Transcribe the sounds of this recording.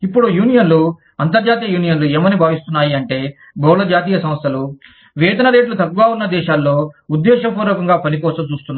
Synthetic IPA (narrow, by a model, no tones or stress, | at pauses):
ipːuɽujuːnijɐnlu | ɐnt̪ɐɾd͡ʒaːt̪̬ijɐjuːnijɐnlueːmɐnibʱaːʋist̪unːaːjiɐɳʈe̞ː | bɐwlɐd͡ʒaːt̪̬iːjɐsɐmɐst̪ʰɐlu | ʋɛːd̪ɐnɐɾeːʈlut̪ɐkːuɡaːunːɐd̪ɛːʃaːlːo̞ːud̪ːɛːʃɐpuːɾoːkɐŋɡaːpɐnikɔːsɐmt͡ʃuːst̪unːa